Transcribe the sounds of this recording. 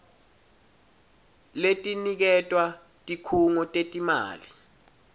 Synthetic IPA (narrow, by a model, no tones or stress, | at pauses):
letʼinik̬ɛtʼwa | tʼikʰuŋɔtʼetʼima̰ːli